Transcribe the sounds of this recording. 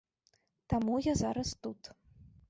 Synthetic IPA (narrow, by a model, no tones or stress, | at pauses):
t̪amujazaɾɐst̪ut̪